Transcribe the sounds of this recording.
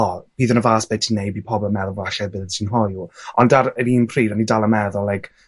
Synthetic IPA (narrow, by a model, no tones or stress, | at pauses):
ɔb̥iːðənəvaːsb̥etʰinːejbipʰɔbɔmɛðɔvaɬɛbɪðətʰinɦɔjuɔndaɾəviːnpʰriːɾanidalˠəmɛðɔlːajkʰ